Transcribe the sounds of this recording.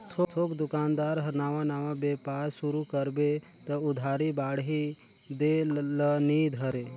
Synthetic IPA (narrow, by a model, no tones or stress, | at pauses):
t̪ʰot̪ʰoːkd̪ʊkaːnd̪aːɾɦɐɾnaːʋãnaːʋãbeːpaːɾsuɾukəɾbe | t̪əʊd̪ʱaːɾibaːɽɦi | d̪eləniːd̪ɦəɾe